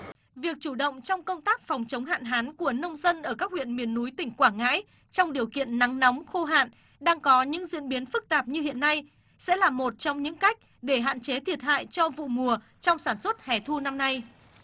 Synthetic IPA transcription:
vi˨˩ək̚t͡ɕu˧˩ɗə̰˧˨wŋ͡mt͡ɕɔ˧wŋ͡mkə˧wŋ͡mt̪aː˦˥k̚fɔ˨˩wŋ͡mt͡ɕə˨˦wŋ͡mɦa̰ː˧˨nɦaː˨˦nku˧˩ənə˧wŋ͡mzə˧nʔəː˧˩kaː˦˥k̚hwḭ˧˨ənmi˨˩ənːu˨˦jt̪ï˧˩ŋ̟kwaː˧˩ŋa̰ː˧˥j | t͡ɕɔ˧wŋ͡mɗi˨˩əwkḭ˧˨ənːa˨˦ŋnɔ˨˦wŋ͡mxo˧ɦa̰ː˧˨n | ɗaː˧ŋkɔ˨˦ɲɨ̰˧˥ŋzḭ˧˨ənɓi˨˦ənfɨ˦˥k̚t̪aː˨˩p̚ɲɨ˧hḭ˧˨ənːa˧j | sɛ̰˧˥laː˨˩mo˨˩t̚t͡ɕɔ˧wŋ͡mɲɨ̰˧˥ŋka˦˥jk̟̚ | ɗe˧˩ɦa̰ː˧˨nt͡ɕe˨˦t̪ʰi˨˩ət̚ha̰ː˧˨jt͡ɕɔ˧vṵ˧˨mu˨˩ə | t͡ɕɔ˧wŋ͡msaː˧˩nswə˦˥t̚hɛ˨˩t̪ʰu˧na˧mna˧j

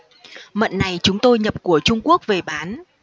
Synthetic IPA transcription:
mə̰˧˨nːa˨˩jt͡ɕʊ˨˦ŋ͡mt̪o˧jɲə˨˩p̚ku˧˩ət͡ɕʊ˧ŋ͡mku˦˥ək̚ve˨˩ɓaː˨˦n

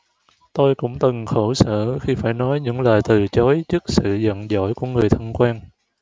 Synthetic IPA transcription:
t̪o˧jkʊ̰˧˥ŋ͡mt̪ɨ˨˩ŋxo˧˩sə̰ː˧˩˨xi˧faː˧˩jnɔ˨˦jɲɨ̰˧˥ŋləː˨˩jt̪ɨ˨˩t͡ɕɔ˨˦jt͡ɕɨ˦˥k̚sɨ̰˧˨zə̰˧˨nzɔ̰˧˥˩jku˧˩əŋɨ˨˩əjt̪ʰə˧nkwaː˧n

